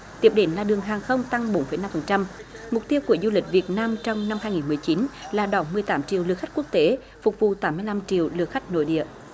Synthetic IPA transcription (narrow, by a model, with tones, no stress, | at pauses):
t̪i˨˩əp̚ɗe˨˦nlaː˨˩ɗɨ˨˩əŋɦaː˨˩ŋxə˧wŋ͡mt̪a˧ŋɓo˨˦nfə˧˩˦jna˧mfə˨˩nt͡ɕa˧m | mʊ˨˩k͡p̚t̪i˧wku˧˩əzu˧lï˨˩k̟̚vi˨˩ət̚naː˧mt͡ɕɔ˧wŋ͡mna˧mhaː˧jŋi˨˩nmɨ˨˩əjt͡ɕi˨˦nlaː˨˩ɗɔ˨˩mɨ˨˩əjt̪aː˨˦mt͡ɕḭ˧˨əwlɨ̰˧˨əxa˦˥k̟̚ku˦˥ək̚t̪e˨˦ | fʊ˨˩k͡p̚vṵ˧˨t̪aː˨˦mːɨ˧əjla˧mt͡ɕḭ˧˨əwlɨ˧˩əxa˦˥jk̟̚no̰˧˥˦jɗḭ˧˨əʔ